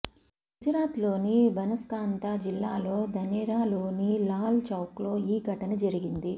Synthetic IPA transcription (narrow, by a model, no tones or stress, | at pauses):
ɡɡ̥ud͡ʒɾaːt̪lo̞ːnibɐnɐskaːnt̪aːd͡ʒilːaːlo̞ːd̪ʱɐnɛɾaːlo̞ːnilaːlt͡ʃɐwklo̞ːiːɡʱɐʈɐnɐd͡ʒɐɾiɡind̪i